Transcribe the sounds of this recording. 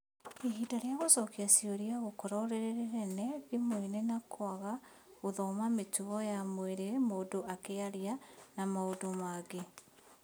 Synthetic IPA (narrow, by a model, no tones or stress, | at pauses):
eɦitaɾeaɣosɔkiasioɾiaɣokɔɾɔɾeɾeɾeɾɛnɛɣemoenenakʰwaɣa | oðɔmametuɣɔjamweɾemoːdoʔakeaɾianamaodomaɡe